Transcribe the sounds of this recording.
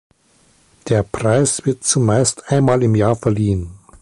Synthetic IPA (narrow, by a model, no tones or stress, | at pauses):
d̥eːɐpʁ̥aɪsv̥ɪɐtt͡sumaɪstʔaɪnmaːlɪmjaːɐfɛɐliːən